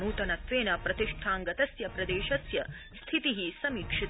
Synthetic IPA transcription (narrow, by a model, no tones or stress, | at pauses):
nuːt̪ɐnɐt̪ʋeːnɐpɾɐt̪iʂʈʰaːŋɡɐt̪ɐsjɐpɾɐd̪eːʃɐsjɐ | st̪ʰit̪iɦisɐmiːkʂit̪